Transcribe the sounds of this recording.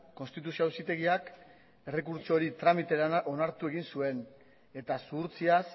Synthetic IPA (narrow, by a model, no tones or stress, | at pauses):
ko̞nst̪it̪̬usioawsit̪e̞ɣiak | e̞re̞kuɾt͡ʃo̞ɾit̪ɾamit̪e̞ɾaʔo̞naɾt̪ue̞ɣinsue̞n | e̞t̪asuɾt͡sias